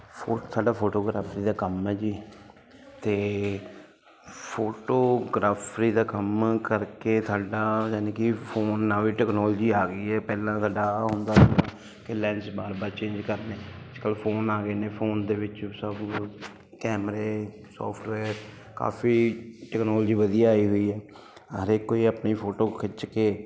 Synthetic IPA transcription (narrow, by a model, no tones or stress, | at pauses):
pʰoːt̪ʰaːɖaːpʰoːʈoːɡɾaːpʰɾiːd̪aːkəmɛːd͡ʒiː | t̪eː | pʰoːʈoːɡɾaːpʰɾiːd̪aːkəmkəɾkeːt̪ʰaːɖaːjɛːneːkɪpʰoːnːaːʋiːʈɛːknɔːlːd͡ʒiːaːɡəiːɛːpɛːlãːsaːɖaːɦʊnd̪aːsənãː | kɪlɛːnsbaːɾbaːɾt͡ʃẽːɲd͡ʒkəɾneːət͡ʃkəlpʰoːnaːɡəeːneːpʰoːnd̪eːʋɪt͡ʃsəb | kɛːmɾeː | sɔ̰ːpʰʈʋɛːɾ | ka̰ːpʰiːʈɛːknɔːld͡ʒiːʋəd̪ijaːaːiːɦoiːɦɛː | əɾeːkoːiːəpniːpʰoːʈoːkʰɪt͡ʃkeː